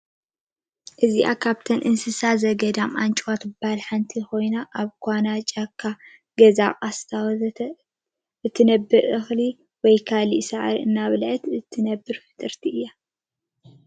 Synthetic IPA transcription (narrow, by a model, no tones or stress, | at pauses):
ʔɨziʔa̰kʰaβt̪ʰɐnʔɨnsɨsazɐɡɐd̪amʔant͡ʃʼwat̪ɨbalħant̪ʰixo̞jnaʔaβkʰʷanat͡ʃʼakʰːa | ɡɐzaχʼast̪ʰaw | ɨt̪ʰːɨnɐbːɨɾʔɨxli | wɔjkʰalisaʕɾiʔɨnːaβlʕɨt̪ɨt̪ʰːɨnɐbːɨɾfɨ̥t̪ʼɨɾt̪ʰiʔɨjːa